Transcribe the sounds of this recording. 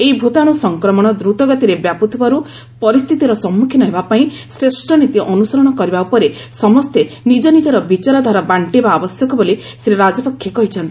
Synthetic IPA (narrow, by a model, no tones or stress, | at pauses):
eibʱot̪aɽ̃usɔŋkɾɔmɔɽ̃ɔd̪ɾut̪ɔɡɔt̪iɾebjaput̪ʰibaɾu | pɔɾist̪ʰit̪iɾɔsɔmːukʰjinɔɦebapaĩ | sɾesʈʰɔnit̪iʔɔnusɔɾɔɽ̃ɔkɔɾibaupɔɾe | sɔmɔst̪enid͡ʒɔnid͡ʒɔɾɔbit͡ʃaɾɔd̪ʱaɾabaɳʈibaːbɔsjɔkɔboli | seɾeɾad͡ʒɔpɔkʰjɔkɔɦit͡ʃʰɔnt̪i̥